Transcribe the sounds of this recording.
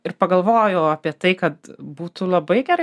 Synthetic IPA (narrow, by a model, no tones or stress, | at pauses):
ɪrpɐɡɐlˠʋoːjoʊɐːpʲiɛt̪ɐɪkɐt̪buːt̪ulˠɐbɐɪɡʲɛɾɐɪ